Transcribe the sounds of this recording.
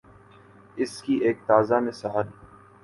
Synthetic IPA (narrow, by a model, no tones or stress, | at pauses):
ɪskiʔeːk̚t̪aːzamẽsɐɦaːɾiː